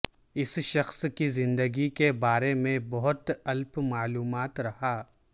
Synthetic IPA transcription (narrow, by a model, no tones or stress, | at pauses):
ɪsʃɐxskizɪ̃nd̪əɡikebaːɾemẽbɐɦʊt̪ɐlpmaːluːmaːt̪ɾɐhaː